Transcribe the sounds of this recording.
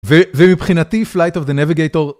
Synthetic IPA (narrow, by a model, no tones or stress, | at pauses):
vevemipχinat̪iflajt̪ovd̪enaviɡejt̪oʁ